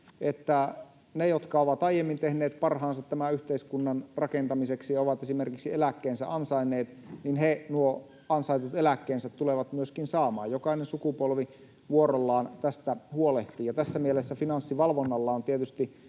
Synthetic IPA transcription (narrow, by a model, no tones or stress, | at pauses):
et̪ːæ | nejot̪kɑoʋɑt̪ɑijemːint̪ehneːt̪̚pɑrɦɑːnsɑt̪t̪ːæmæyht̪eiskunːɑnrɑkent̪ɑmiseksijɑoʋɑt̪esimerkiksielækːeːnsæ̰ʔɑnsɑinːˑeːt̪ninɦenuo | ɑnsɑit̪ut̪elækːeːnsæt̪tːuleʋɑt̪myøskinsɑːmɑ̰ːjjokɑinensukupolʋi | ʋuoɾolːɑːnt̪æst̪æhuoleht̪iːjɑt̪æsːæmielesːæfinɑnsːiʋɑlʋonːɑlːɑont̪iet̪yst̪i